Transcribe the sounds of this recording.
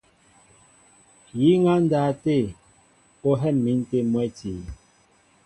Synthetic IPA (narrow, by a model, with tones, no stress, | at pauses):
ji˦ŋa˦n̩˦da˨te˦˨ | o˦ɦɛ˦˨mːi˨˦n˦te˦mwɛ˦ti˨